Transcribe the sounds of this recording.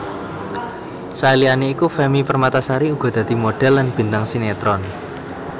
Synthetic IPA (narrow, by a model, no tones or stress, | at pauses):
salianeikufɛmipərmat̪asaɾiuɡ̥ɔ̤d̪̥ä̤d̪̥i̤moɖ̥ɛ̤lːanb̥i̤nt̪aŋsinet̪ɾɔn